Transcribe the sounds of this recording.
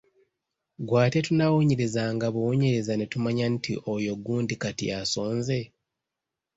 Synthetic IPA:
ɡwaːte̞tunawoɲeɾezaːŋɡaβuwoɲeɾezane̞tumaɲantḭʔojo̞ɡuːndikatḭjaso̞ːnze̞

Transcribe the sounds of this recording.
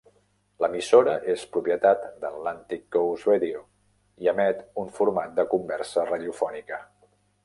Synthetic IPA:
ləmisoɾəʔespɾupjət̪at̪d̪ət̪lant̪ikːouzweðio | iəmɛt̪uɱfuɾmat̪̚d̪əkumbɛɾsəraðjufɔnikə

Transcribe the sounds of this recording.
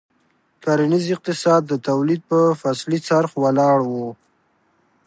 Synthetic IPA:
kaɾanizɪq̚t̪ɪsɑd̪ːət̪awlid̪̚pəfaslit͡saɾxwalɑɽwu

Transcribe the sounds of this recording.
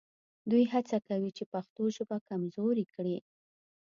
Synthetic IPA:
d̪ujɦat͡sakawit͡ʃepaxt̪oʒəbakamzoɾikɽi

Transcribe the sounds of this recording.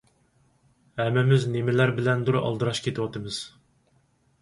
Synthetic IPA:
hɛmːɪmɪznemɪlæɾbɪlɛnd̪uɾɑ̰lˠd̪ɨɾɑʃkʲʰet̪ʰɨwɑt̪ɨmɨz̥

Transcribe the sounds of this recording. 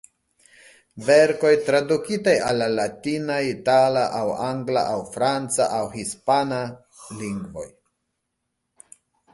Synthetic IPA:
veɾko̞jtɾadukitajalːalatinaitalaʔawaŋɡla̰ʔawfɾant͡saʔawhispana | liŋɡvo̞̰j

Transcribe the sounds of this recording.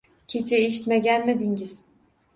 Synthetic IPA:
cʲʰet͡ʃʰɛeʃi̥t̪meɡʲænmed̪iŋiz̥

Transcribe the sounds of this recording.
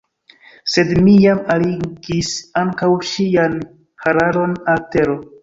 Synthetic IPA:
se̞dmijamaliɡisaŋkawʃian | haɾalo̞nalte̞ɾo

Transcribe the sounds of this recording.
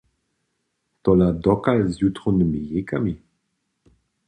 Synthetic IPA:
t̪ɔlad̪ɔkalzjut̪χonmijekami

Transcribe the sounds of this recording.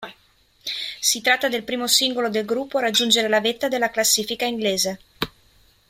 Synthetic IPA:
sit̪ɾat̪ːad̪elpɾiːmosiŋɡolod̪elɡɾupːoaɾad͡ʒːund͡ʒeɾelavet̪ːad̪elːaklasːiːfikaiŋɡleːze

